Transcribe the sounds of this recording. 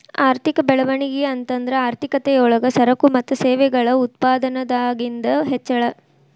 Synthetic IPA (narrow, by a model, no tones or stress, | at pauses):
aːɾt̪ikɐbɛɭɐʋɐɳiɡeɐnt̪ɐnd̪ɐɾeaːɾt̪ikɐt̪ɛjɔɭɐɡɐsɐɾɐkumɐt̪ːuseːʋɛɡɐɭɐut̪̚paːd̪ɐnɐd̪aːɡind̪ɐɦɛt͡ʃːɐɭɐ